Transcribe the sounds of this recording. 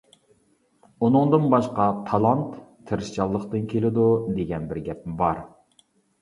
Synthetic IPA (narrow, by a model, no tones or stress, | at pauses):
unɨŋd̪ɨnbɑʃqɑt̪ʰɑlˠɑnt̪ʰː | ɨɾɨʃt͡ʃɑlˠːəχt̪ɨnkʲʰelɪd̪ud̪eɡʲɛnbɪɾɡʲɛp̚mɪbɑɾ